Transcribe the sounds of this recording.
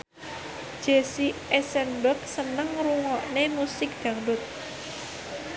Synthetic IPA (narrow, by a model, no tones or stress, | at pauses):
d͡ʒ̥esiesɛnbək̚sənəŋruŋɔʔnemusɪk̚d̪̥ä̤ŋbʊt̪̚